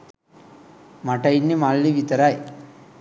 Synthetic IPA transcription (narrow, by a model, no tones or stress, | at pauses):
mɐʈɐjinːimaːlːiʋit̪ɐɾaj